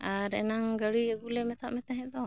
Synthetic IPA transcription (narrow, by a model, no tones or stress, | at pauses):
aɾɛ̰naŋɡəɽiəɡulɛmɛt̪ʰaʔmɛt̪aɦɛd̪ɔ